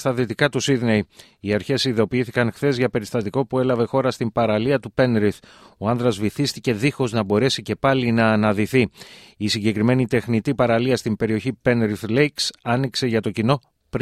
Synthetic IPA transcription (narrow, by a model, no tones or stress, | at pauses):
t̪ɐðit̪ikɐt̪usiðnej | iɐɾçe̞siðo̞piiθikɐŋxθe̞zʝɐpe̞ɾist̪ɐt̪iko̞pue̞lɐve̞xo̞ɾɐst̪impɐɾɐliɐt̪upe̞nɾiθ | oɐnðɾɐzviθist̪ice̞ðixo̞znɐbo̞ɾe̞sice̞pɐlinɐːnɐðiθi | isiɲɟe̞kɾime̞nit̪e̞xnit̪ipɐɾɐliɐst̪imbe̞ɾio̞çipe̞nɾiθlejksɐnikse̞ʝɐt̪o̞cino̞ | pɾ